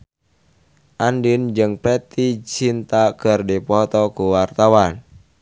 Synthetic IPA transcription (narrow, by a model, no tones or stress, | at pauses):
ʔandind͡ʒɨŋpɾɛt̪it͡ʃint̪akərdipɔt̪ɔkuwart̪awan